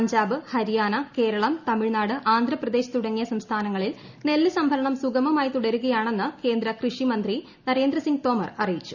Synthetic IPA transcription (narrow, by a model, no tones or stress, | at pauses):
ɲd͡ʑaːbɨhɐɾijaːnɐke̞ːɾɐɭɐmt̪ɐmiɻnaːɽɨʔaːnd̪ʱrɐprɐd̪e̞ːɕɐ̥t̪uɽɐŋːijɐsɐmst̪ʰaːnɐŋːɐɭil | ne̞lːɨsɐmbʱɐɾɐɳɐmsuɡɐmɐmaːjit̪uɽɐɾuɣɐjaːɳe̞nːɨke̞ːnd̪ɾɐkrɨʂimɐnd̪ri | nɐɾe̞ːnd̪ɾɐsiŋɡt̪o̞ːmɐrɐrijit͡ɕːu̥